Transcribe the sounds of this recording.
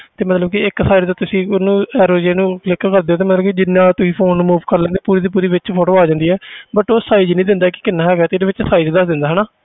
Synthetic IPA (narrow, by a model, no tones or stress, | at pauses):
t̪eːmət̪ləbkɪɪksaːiɾt̪aːt̪ʊsĩːonũːɛːɾoːd͡ʒeːnũːklɪkkəɾd̪eːoːt̪eːmət̪ləbkid͡ʒɪnːãːt̪ʊsĩːpʰoːnːmuːʋkəɾlɛ̃nd̪eːpuːɾiːd̪iːp̬uːɾiːʋɪt͡ʃpʰoːʈoːaːd͡ʒãːnd̪iːɛːbəʈoːsaːid͡ʒnəĩːd̪ɪnd̪aːkɪ̥kɪnːaːɦɛːɡaːt̪eːdeːʋɪt͡ʃsaːiːd͡ʒd̪əsd̪ɪ̃nd̪aːɦɛːnaː